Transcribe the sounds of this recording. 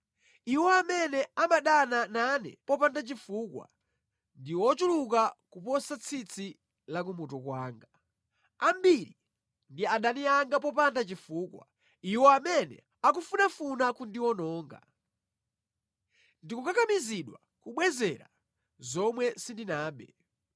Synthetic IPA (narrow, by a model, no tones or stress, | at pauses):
iwɔamɛnɛamaɗanananɛ̰pɔpandat͡ʃifuːkwa̰ | ndiwɔt͡ʃulukakupɔsat͡sʰit͡sʰi | lak̬umutɔkwaːŋɡa | ambiɾi | ndiaɗaniaŋɡap̬ɔp̬andat͡ʃifuːkwa̰ | iwɔamɛnɛ̰ | ak̬ufunafunakundiwɔnɔːŋɡa̰ | ndikukakamiziɗwa | kuɓwɛzɛɾa̰ | zɔmwɛsindinaːɓɛ